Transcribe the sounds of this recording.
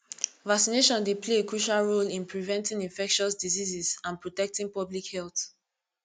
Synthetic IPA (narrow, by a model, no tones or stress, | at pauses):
vaksineʃɔ̃ndepʰleekɹuʃalɹolĩnpʰɹivɛ̃ntĩŋĩnfɛkʃɔsdizizizãnpɹotɛk̚tĩŋpɔblikhɛlˠθ